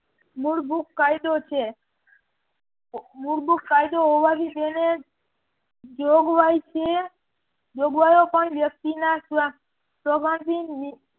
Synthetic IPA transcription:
muɾbukːajd̪ot͡ʃʰe | muɾbukːajd̪oobad̪ib̪ene | d͡ʒoɡbajt͡ʃʰe | d͡ʒoɡbajokɔnbjək̚t̪inasa | pɾɔɡand̪inmi

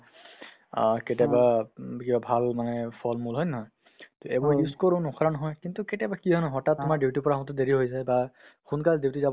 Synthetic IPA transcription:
ketabakibabʱalmanɛpʰɔlmulɦɔjnɔɦɔj | tɔɛbɔɹjuskɔɹʊ̃nɔxʰɔɹanɔɦɔjkintuketɛbakiɦɔnɔɦɔtat̚ːʊmaditipɔɹamɔ̃tɔdeɹiɦojzajbaxunkaldiwtizab

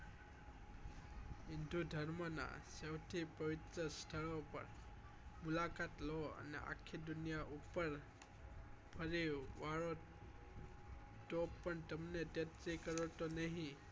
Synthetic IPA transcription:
indudʱəɹmɔna̰sawtʰipəwit̪ɾəst̪ʰəɭɔpə̰ɾ | mulakatlɔə̰nḭa̰kʰːidunijaʔupəɹ | pʰəɹiwwaɹɔ | tɔpəntəmnet̪etɾikəɹɔtɔneɦĩ

